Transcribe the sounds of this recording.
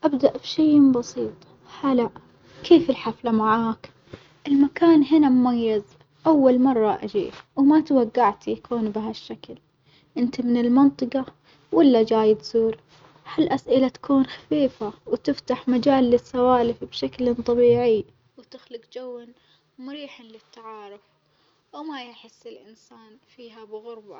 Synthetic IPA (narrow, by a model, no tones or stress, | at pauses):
ʔabd̪aʔbʃaːbɑsiːt̪ˤ | halaʔ | kʰeːfɪlħaflamaʕaːk | ʔɪlmakaːnɦɪnamʊmajːɪz | ʔawːalmɑrˤːɑʔad͡ʒḭːwmat̪awaɡːaʕt̪jakʰuːnbɪɦaʃːakl | ʔɪnt̪imɪnɪlmɑnt̪ˤɨqɑ | wʔɪlːad͡ʒaːjɪt̪zuːɾ | halʔasʔɪlat̪ḁkuːnxḁfiːfawt̪ɪft̪aħmad͡ʒaːlːɪsːawaːlɪfbʃaklnt̪ˤɑbiːʕɪ | wt̪ɪxlɪɡd͡ʒawːan | mʊɾiːħanlɪt̪ːaʕɑːɾʊf | wmajɪħɪsːɪlʔɪnsaːnfiːɦabɪɣʊɾba